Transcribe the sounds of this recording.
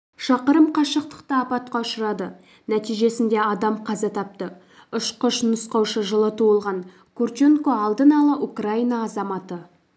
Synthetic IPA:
ʃɑqəɾəmqʰɑʃəq̚t̪ə̥qt̪əɑpɑt̪̚qɑʊʃəɾɑd̪ə | næt̪ijʒe̞sɪnd̪e̞ɑd̪ɑmqʰɑzɑt̪ʰɑp̚t̪ə | ʊʃqʊʃnəsqɑwʃəʒəlˠət̪ʰoəlˠʁɑŋ | kʰurt͡ʃeŋkoɑlˠd̪ənɑlˠəʔukraijnɑːzɑmɑt̪ə

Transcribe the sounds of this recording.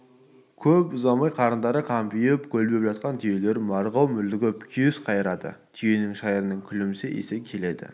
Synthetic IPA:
kʲʰɵpʊzɑmɑjqʰɑɾənd̪ɑɾəqʰɑmpijɪpkʲʰɵlbe̞pʒɑt̪̚qɑnt̪ʰije̞le̞ɾmɑɾʁɑwmʏld̪ɪɡʲɪpkʲʰijɪsqʰɑjəɾɑd̪ə̰t̪ʰije̞nɪŋʃɑjəɾənəŋkʲʰʏlɪmɪseʔḛsekʲʰe̞le̞d̪ɪ̰

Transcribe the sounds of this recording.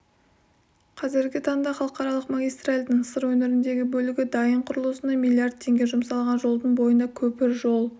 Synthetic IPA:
qʰɑzɪɾɡʲɪt̪ʰɑɴd̪ɑχɑlˠəqɑɾɑlˠəqmaɡʲijst̪ralʲd̪ɪŋsəɾwɵnɪɾɪnd̪e̞ɡʲɪbɵlɪɡʲɪd̪ɑjəɴqʰʊɾəlˠəsənd̪ɑmʲilʲˠijard̪̚t̪ʰːe̞ŋɡʲe̞ʒʊmsɑlˠʁɑnʒo̞lˠd̪əɴbo̞jənɑkʲʰɵpɪɾʒo̞lˠ

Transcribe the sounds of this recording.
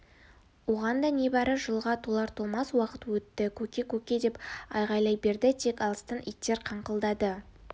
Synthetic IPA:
woʁɑnd̪ɑne̞bɑɾəʒəlˠʁɑt̪ʰolˠɑɾt̪ʰolˠmɑswɑqət̪wɵt̪ːɪkʲʰɵkʲe̞kʲʰɵkʲe̞d̪e̞pɑjʁɑjlˠɑjbe̞ɾd̪ɪt̪ʰe̞kɑlˠəst̪ənʔḭjt̪ːe̞ɾqʰɑɴqəlˠd̪ɑd̪ə

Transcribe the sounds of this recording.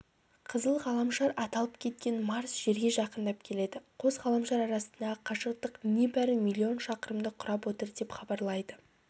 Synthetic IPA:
qʰəzəlˠʁɑlˠɑmʃɑɾɑt̪ɑlˠəpkʲʰe̞t̪̚kʲe̞nmɑɾsʒ̥e̞ɾɡʲe̞ʒɑqənd̪ɑp̚kʲʰe̞le̞d̪ɪqʰo̞zʁɑlˠɑmʃɑɾɑɾɑsənd̪ɑqʰɑʃəqt̪əqne̞bæɾɪmʲilʲːio̞nʃɑqəɾəmd̪əqʰʊɾɑpwo̞t̪əɾd̪e̞pχɑbɑɾlˠɑjd̪ə

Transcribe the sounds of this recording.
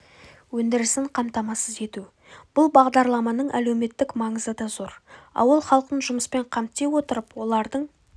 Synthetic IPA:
wɵnd̪ɪɾɪsɪɴqʰɑmt̪ɑmɑsəze̞t̪u | b̥ʊlˠbɑʁd̪ɑɾlˠɑmɑnəɴʔæle̞wme̞t̪ːɪkmɑɴəzəd̪ɑzo̞ɾɑ̰wəlˠχɑlˠqənʒʊməspe̞ɴqʰɑmt̪ːe̞wo̞t̪əɾəpwo̞lˠɑɾd̪əɴ

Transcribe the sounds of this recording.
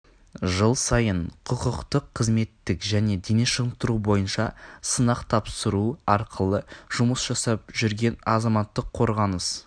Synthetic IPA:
ʒəlˠsɑjəɴqʰʊqəqt̪əqʰːəzme̞t̪ːɪkʒæne̞d̪eneʃəʁəmt̪əɾubo̞jənʃɑsənɑqt̪ʰɑpsəɾuɑɾqʰəlˠəʒ̥ʊməsʒɑsɑp̚ʒʏɾɡʲe̞nɑzɑmɑt̪ːəqʰːo̞ɾʁɑnəs

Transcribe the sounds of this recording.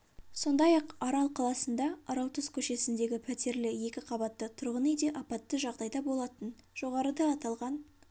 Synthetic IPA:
so̞nd̪ɑjɑqɑɾɑlˠqʰɑlˠɑsənd̪ɑɑɾɑlˠt̪ʰəzkʲʰɵʃe̞sɪnd̪e̞ɡʲɪpʰæt̪e̞ɾlɪje̞kʲɪqʰɑbɑt̪ːət̪ʰʊɾʁənejd̪e̞ʔɑpɑt̪ːəʒɑʁd̪ɑjd̪ɑbo̞lˠɑt̪ənʒ̥o̞ʁɑɾəd̪ɑːt̪ɑlˠʁɑn

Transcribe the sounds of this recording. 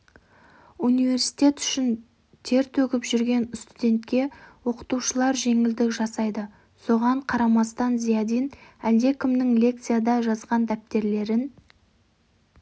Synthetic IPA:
unijve̞ɾsi̥t̪ʲe̞t̪ʏ̥ʃɪn | t̪ʰe̞ɾt̪ʰɵkʲɪpʒʏɾɡʲe̞nɪst̪ud̪ʲe̞nt̪kʲe̞wo̞qə̥t̪uʃəlˠɑɾʒe̞ŋɪld̪ɪkʒɑsɑjd̪ə | so̞ʁɑɴqʰɑɾɑmɑst̪ɑnzijɑd̪inæld̪e̞kʲɪmnɪŋlʲe̞k̚t̪sɨjad̪ɑʒɑzʁɑnd̪æp̚t̪e̞ɾle̞ɾɪn

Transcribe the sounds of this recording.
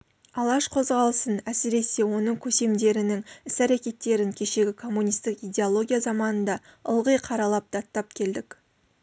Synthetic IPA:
ɑlˠɑʃqʰo̞zʁɑlˠəsənæsɪɾe̞se̞wo̞nəŋkʲʰɵse̞md̪e̞ɾɪnɪŋɪsæɾakʲe̞t̪ːe̞ɾɪŋkʲʰe̞ʃe̞ɡʲɪkʰo̞mːunʲijst̪ɪkijd̪ʲe̞olˠo̞ɡʲijazɑmɑnənd̪ɑəlˠʁəjqʰɑɾɑlˠɑp̚d̪ɑt̪ːɑp̚kʲʰe̞ld̪ɪk

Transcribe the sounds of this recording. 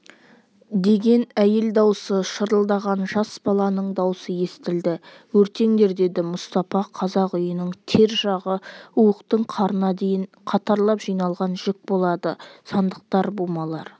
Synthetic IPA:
d̪e̞ɡʲe̞næje̞ld̪ɑwsəʃəɾəlˠd̪ɑʁɑnʒɑsbɑlˠɑnəɴd̪ɑwsəje̞st̪ɪld̪ɪ | wɵɾt̪e̞ŋd̪e̞ɾd̪e̞d̪ɪmʊst̪ɑfɑqʰɑzɑqʊjənəɴt̪ʰe̞ɾʒɑʁəuwəqt̪əɴqʰɑɾənɑd̪e̞jɪɴ | qʰɑt̪ɑɾlˠɑpʒ̥ijnɑlˠʁɑnʒ̥ɪk̚bo̞lˠɑd̪əsɑnd̪əq̚t̪ɑɾbomɑlˠɑɾ

